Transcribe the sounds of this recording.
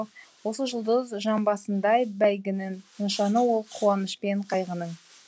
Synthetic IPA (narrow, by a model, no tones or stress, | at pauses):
wo̞səʒəlˠd̪əzʒɑmbɑsənd̪ɑjbæjɡʲɪnɪnənʃɑnəwo̞lˠqʰuɑnəʃpe̞ɴqʰɑjʁənəɴ